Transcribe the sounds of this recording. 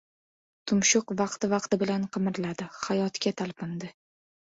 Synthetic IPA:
t̪ʰʊmʃʊqvɑqt̪ɪvɑq̚t̪ɪbɪlanqʰɨmɪɾlad̪ɪhajɒt̪kʲat̪ʰalˠpʰɪnd̪ɪ

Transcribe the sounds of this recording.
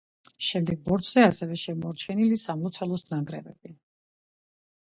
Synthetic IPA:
ʃɛmd̪ɛɡ̚bɔɾt͡ʃʰzɛasɛvɛʃɛmɔɾt͡ʃʰɛnilisamlˠɔt̪sʰɛlˠɔsnaŋɡɾɛvɛb̥i

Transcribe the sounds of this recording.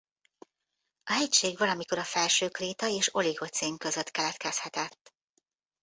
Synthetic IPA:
ɒɦɛcʃeːɡvɒlɒmiko̞ɾɒfɛlʃøːkreːt̪ɒeːʃo̞liɡo̞t̪seːŋkø̞zø̞t̪kɛlɛt̪kɛshɛt̪ɛt̪ː

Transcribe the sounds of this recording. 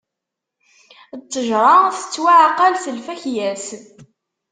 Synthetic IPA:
t͡s̪ːəʒɾˤɑθə̥t͡sːwaʕaqːɑlsəlfæçjæs

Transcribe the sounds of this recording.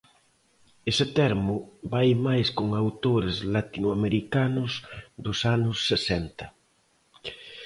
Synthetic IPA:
esɪt̪ɛɾmʊbajmajskoŋawt̪oɾezlat̪inwameɾikanʊsd̪ʊsanʊsːesɛnt̪ɐ

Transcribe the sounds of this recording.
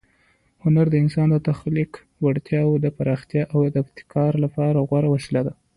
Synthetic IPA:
hʊnaɾd̪əɪnsɑnd̪ət̪axlik | waɽt̪jɑwd̪əpaɾʔɑxt̪jɑʔawd̪əɪb̚t̪ɪ̥kʰɑɾlapɑɾaɣwaɾawaʃlad̪a

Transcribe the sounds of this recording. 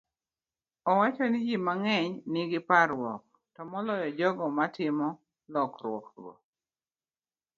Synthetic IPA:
ɔwat͡ʃɔnɪd͡ʒimaŋɛɲnɪɡɪpaɾwɔk̚ | tɔmɔlɔjɔd͡ʒɔɡɔmatɪmɔ | lɔkɾwɔ̰kɾɡɔ̰k

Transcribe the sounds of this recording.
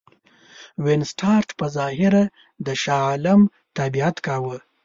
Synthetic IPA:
wensʈʰɑɾʈpəzɑhɪɾa | d̪əʃɑlam | t̪abiat̪kɑwə

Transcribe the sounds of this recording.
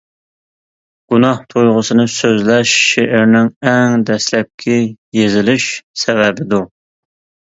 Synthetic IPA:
ɡ̥unɑht̪ʰojʁʊsɨnɨsøzlɛʃːeʔɪɾnɪŋɛŋd̪ɛslɛp̚kʲʰɛjezɪlɪʃsɛvɛbɪd̪u

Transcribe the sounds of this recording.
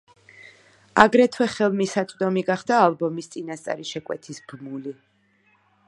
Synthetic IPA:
a̰ɡɾɛt̪ʰwɛχɛlˠmisat̪sʼd̪ɔmiɡaχd̪aːlˠbɔmist̪sʼinast̪sʼa̰ɾiʃɛkʼwɛ̰t̪ʰisbmuli

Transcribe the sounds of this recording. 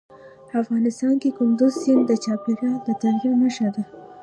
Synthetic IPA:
afɣɑnɪst̪ɑnkekʊnd̪ʊzsɪnd̪ət͡ʃɑpiɾad̪ət̪aɾjaməʃad̪a

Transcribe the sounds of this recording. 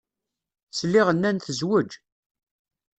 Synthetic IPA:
slːiʁənːænθəzwəd͡ʒ

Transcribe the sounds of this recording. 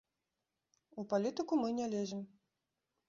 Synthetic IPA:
upalʲit̪ɨkumɨnʲɛlʲɛzʲɛm

